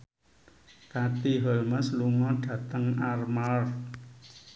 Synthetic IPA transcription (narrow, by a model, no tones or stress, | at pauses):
kat̪iɦəlməsluŋɔɖ̥ä̤t̪əŋarmalf